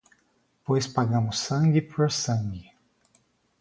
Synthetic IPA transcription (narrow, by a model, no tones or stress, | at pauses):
pojspaɡɐ̃mʊsɐ̃ŋɡɪpoɾsɐ̃ɡɪ